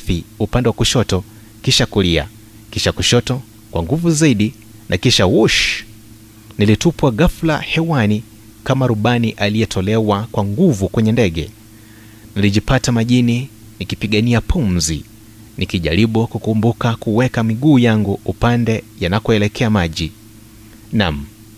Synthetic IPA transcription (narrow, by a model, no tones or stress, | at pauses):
θiupandɛwakuʃɔtɔ | kiʃakulia̰ | kiʃakuʃɔtɔ | kwaŋɡuvuzaiɗi | nʔakiʃawuʃ | nilitupwaɠaflahɛwani | kamaɾuɓaniʔaliɛtʰɔlɛwakwaŋɡuvukwɛɲɛndɛɠɛ̰ | niliʄipatamaʄini | nikipiɠaniapʰumzḭ | nikiʄa̰ɾiɓukukumbukakuwɛkamiɠuːjaŋɡuupandɛjanakɔɛlɛkʰɛamaʄi | nam̩